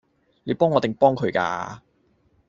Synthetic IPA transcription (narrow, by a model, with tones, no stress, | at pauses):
le˨˧jpɔː˥ŋːɔ˨˧t̪e˨˩ŋpɔː˥ŋkʰɵ˨˧ɥka̰ː˧